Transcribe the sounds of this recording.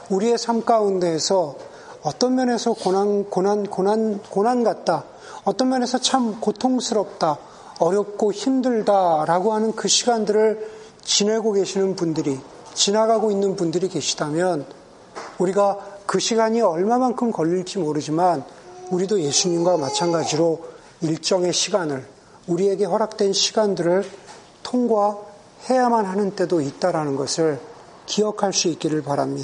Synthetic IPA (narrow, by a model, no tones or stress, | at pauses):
uɾie̞sʰamk͈aunde̞ːsʰʌ | ʌt͈ʌnmjʌnɦe̞sʰʌkonankonankonankonanɡat̚t͈a | ʌt͈ʌnmjʌnɦe̞sʰʌt͡ɕʰamkotʰoŋsʰɯɾʌp̚t͈a | ʌɾjʌp̚k͈oçimdɯɭdaɾaɡoɦanɯnkɯɕʰiɡandɯɾɯɭ | t͡ɕine̞ɡoɡe̞ɕʰinɯnpundɯɾi | t͡ɕinaɡaɡoinːɯnpundɯɾike̞ɕʰi̥damjʌn | uɾiɡakɯɕʰiɡaɲiʌɭmamaŋkʰɯmkʌʎːiɭt͡ɕimoɾɯd͡ʑimanuɾidoje̞sʰuɲimɡwamat͡ɕʰanɡad͡ʑiɾo | iɭt͡ɕ͈ʌŋe̞ɕʰiɡanɯɭ | uɾie̞ɡe̞ɸwʌɾak̚t͈wenɕʰiɡandɯɾɯɭ | tʰoŋɡwa | he̞jamanɦanɯnt͈e̞doit̚t͈aɾanɯnɡʌsʰɯɭ | kiʌkʰaɭs͈uik͈̚iɾɯɭpaɾa̰mɲida